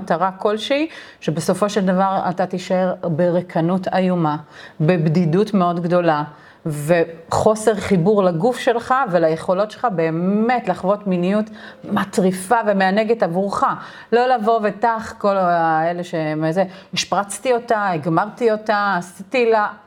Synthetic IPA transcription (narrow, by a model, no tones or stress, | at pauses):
taʁako̞lʃei | ʃebeso̞fo̞ʃeld̪avaʁa̰tat̪iʃaeʁbeʁekʰanutajumabebdidutme̞o̞dɡdo̞la | veχo̞seʁχibuʁlaɡufʃe̞lχavelaje̞χo̞lo̞tʃelχabe̞ːme̞tlaχvo̞tminijut | matʁifave̞meaneɡetavuʁχa | lo̞lavo̞vetaχko̞laele̞ʃemezeiʃpʁat͡st̪io̞taeɡmaʁtio̞taːsitila